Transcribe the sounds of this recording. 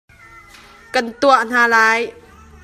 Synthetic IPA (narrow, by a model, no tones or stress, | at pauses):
kant̪uaʔn̥aːlaːj